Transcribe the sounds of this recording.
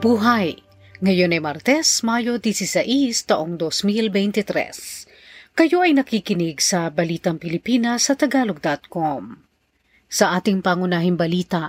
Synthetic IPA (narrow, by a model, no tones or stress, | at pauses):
buːɦɐj | ŋɐjonɐjmɐɾt̪ɛsmajo̞d̪isɪsɐʔist̪ɐʔoŋd̪osmilbɛjnt̪ɪt̪ɾɛ̰s | kɐjo̞ʔɐjnɐkikɪnɪɡsɐbɐliːt̪ɐŋpɪlɪpiːnɐsːɐt̪ɐɡaːloɡ̚d̪at̪̚kom | sɐʔaːt̪ɪŋpɐŋʊnaːɦɪŋbɐliːt̪ɐ